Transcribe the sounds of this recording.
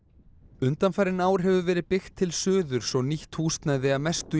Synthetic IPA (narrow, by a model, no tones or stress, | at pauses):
ʏnt̪anfajɾɪnaːwɾ̥ɦɛvʏvɛːɾɪðpɪxt̪ʰːɪlsœːðʏɾ̥svɔniht̪huːst̪najðɪaðmɛst̪ʏ